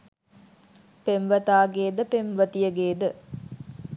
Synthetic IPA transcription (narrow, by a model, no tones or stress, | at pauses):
pemʋət̪aːɡeːd̪əpemʋət̪ijəɡeːd̪ə